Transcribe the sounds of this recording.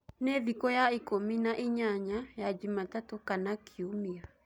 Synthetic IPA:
neðikojaikominaʔiɲaɲajad͡ʒimat̪at̪okanakʰiumiɾa

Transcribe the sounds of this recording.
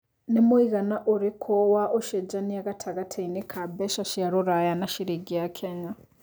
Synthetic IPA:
nemuiɣanaʔoɾekʰowaʔoʃed͡ʒaniaɡatʰaɣatʰainekʰabeʃaʃiaɾoɾajanaʃiɾiɡijakʰeɲa

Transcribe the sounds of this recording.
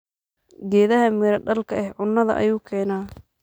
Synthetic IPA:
ɡɛːðɐɦɐmɪɾɐɖɐlkʰɐɛhʕʊnːɐðɐ̰ʔɐ̰juːkʰɛːnaː

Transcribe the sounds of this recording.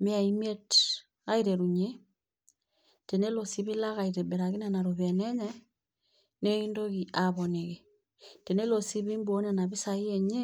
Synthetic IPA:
miaimet | aiɾeɾuɲe | tenelosiβilaɣaiɾeβeɾaɣinanaɾoβeneɲe | neindoɣiʔaβoneɣe | tenelosiβimbonenaβisaieɲe

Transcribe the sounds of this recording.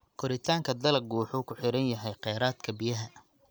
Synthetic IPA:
kʰɔɾɪt̪ʰaːŋkʰɐd̪ɐlɐɡuːħʊkʰʊħɪɾɐnjɐɦɛjqɛːɾaːd̪kʰɐbijɐɦɐ

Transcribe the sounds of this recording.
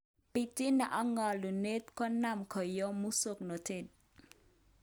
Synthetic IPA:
pitinaʔaŋalunɪt̪̚kɔnamkʰɔjɔmusʊk̚not̪ɪt̪̚

